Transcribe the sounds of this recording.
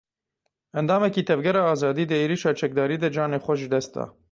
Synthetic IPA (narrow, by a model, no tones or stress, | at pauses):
ɛnd̪ɑːmɛkiːt̪ʰɛvɡɛɾɑːɑːzɑːd̪iːd̪əeːɾiːʃɑːt͡ʃʰɛk̚d̪ɑːɾiːd̪ɛd͡ʒɑːneːxʷɛʒɨd̪ɛst̪̚d̪ɑ̰ː